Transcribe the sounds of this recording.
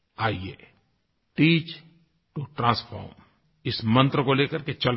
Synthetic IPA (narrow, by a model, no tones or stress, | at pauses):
aːiḛː | ʈiːt͡ʃ | ʈuʈɾãːspʰɔ̰ːɾm | ɪsmə̃nt̪ɾəkoleːkəɾket͡ʃɐl